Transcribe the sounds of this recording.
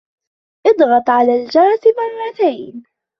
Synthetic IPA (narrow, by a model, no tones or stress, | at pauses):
ʔɨd̪ˤɣɑt̪ˤʕalaːld͡ʒɑɾˤt̪mɑrˤːɑt̪ajn